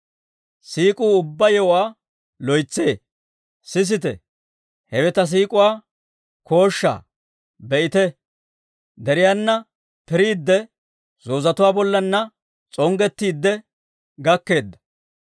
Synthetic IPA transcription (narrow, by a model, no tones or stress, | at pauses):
siːkʼuːʊbːɐjɔwaː | lɔjt͡sːe̞ː | sɪs̬ɪt̪ɛ̰ | hɛwɛt̪ɐs̬iːkʼʊwaː | ko̞ːʃːa̰ː | bɛʔɪt̪ɛ | d̪ɛɾɪjanːɐ | pɪɾiːd̪ːɛ | z̥o̞ːzɐt̪ʊwaːbɔlːɐnːɐ | t͡sʼɔŋɡɛt̪ːiːd̪ːɛ | ɡɐkːe̞ːd̪ːɐ̥